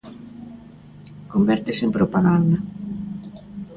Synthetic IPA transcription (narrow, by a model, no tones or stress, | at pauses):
kombɛɾt̪esempɾopaɣand̪a